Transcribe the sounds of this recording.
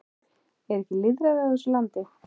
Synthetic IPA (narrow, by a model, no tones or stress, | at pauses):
ɛɾɛhcɪlɪðɾaðɪaθɛsʏlant̪ɪ